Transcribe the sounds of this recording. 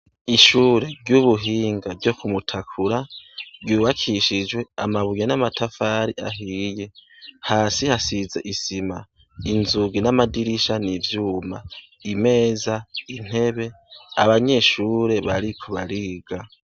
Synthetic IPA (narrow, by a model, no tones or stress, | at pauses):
iʃuːɾe̞ɾɟuβuɦiːŋɡavɟo̞kʰumutʰakʰuɾaɾɟuːβakʰiʃid͡ʒwe̞amaβujenamatʰafaːɾiʔa̰ɦiːje̞haːsihasizeʔisima | inzuɡinamadiɾiʃanivjuːma̰ | ime̞ːzain̥e̞βe̞ | aβaɲe̞ʃuːɾe̞βaɾikʰuβaɾiːɡ̥a